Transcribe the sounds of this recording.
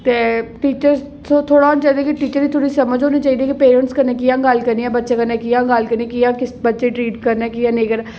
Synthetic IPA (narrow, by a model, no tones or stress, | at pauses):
t̪eːʈiːt͡ʃəɾ | soːt̪ʰoːɽaːnt͡ʃaːid̪eːkiʈiːt͡ʃəɾiːt̪ʰoːɽiːsəməd͡ʒɦoːneːt͡ʃaːiːd̪eːkipeːɾəɳʈskəɾneːkɪjãːɡəlkəɾniːãːbətːʃeːkəɾnẽːkɪjãːɡəlkəɾniãkɪjãːkɪsbətːʃeːʈɾiːʈkəɾnɛːkɪjãːnẽːkəɾne